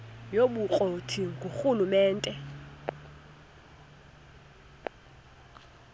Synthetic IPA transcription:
joɓuk͡xʼotʰiŋɡʱuxulumɛːntʼɛ

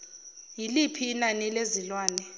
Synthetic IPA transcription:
jilipʰiːnanilezilwaːnɛ

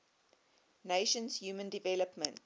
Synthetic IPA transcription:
neɪʃə̃nzjuːmə̃ndivɛləpmə̃nt

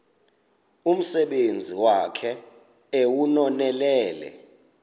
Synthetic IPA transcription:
um̩sɛɓend͡zʱiwakʰɛ | ewunɔnɛlɛːlɛ̰

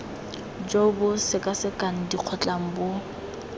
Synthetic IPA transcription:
d͡ʒobʊsɪkʼasɪkʼan̩diq͡χʰɔt͡ɬʼaŋ̩bʊ

